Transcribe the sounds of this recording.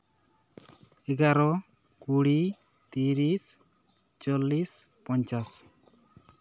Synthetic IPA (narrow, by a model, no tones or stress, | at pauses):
ɛɡaɾɔ | kuɽi | t̪iɾis | t͡ʃɔlis | pɔɲt͡ʃas